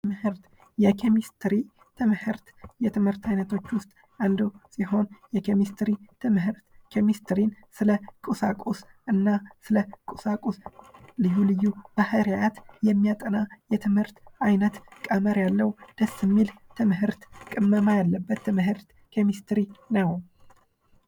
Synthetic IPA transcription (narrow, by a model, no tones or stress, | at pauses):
mɨhɨɾt̪ | jɛkʰemist̪ɾi | t̪ʰɨmhɨɾt̪jɛt̪ʰɨmhɨɾt̪ʰajnət̪ʰo̞t͡ʃːwʊst̪ʼ | and̪usiɦo̞njɛkʰemist̪ɾit̪ʰɨmɦɨɾt̪kʰemist̪ɾinsɨləkʼusakʼus | ɨnːasɨləkʼusakʼuslɨjːulɨjːub̥ahəɾjat̪jɛmːijat̪ʼənajɛt̪ʰɨmhɨɾt̪ajnət̪kʼəməɾjalːəwd̪̥əsːɨmːilt̪ʰɨmɦɨɾt̪kʼɨmːəmajalːəbːət̪ʰːɨmɦɨɾt̪ | kʰomist̪ɾinəw